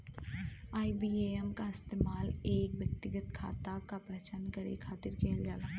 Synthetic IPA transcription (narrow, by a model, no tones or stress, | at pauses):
aːibiːeɛmkaɪst̪eːmaːleːkʋjɐk̚t̪ɪɡət̪kʰa̰ːt̪akapɛɦt͡ʃankɐɾḛkʰaːt̪ɪɾkɛɦld͡ʒaːlaː